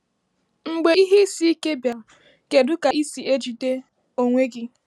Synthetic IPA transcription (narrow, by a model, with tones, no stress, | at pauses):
ŋ͡m̩˨ɡ͡be˦i˦ɦe˦si˦i˦ke˦bja˨ | ke˨dʊ˦ka˨i˦si˨e˦d͡ʒi˨de˦ | o˨ŋʷe˦ɡɪ˦